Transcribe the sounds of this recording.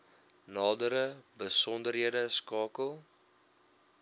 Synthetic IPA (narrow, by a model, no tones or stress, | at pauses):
nɑːdəɾəbəsɔndərɦiədəskɑːkəlˠ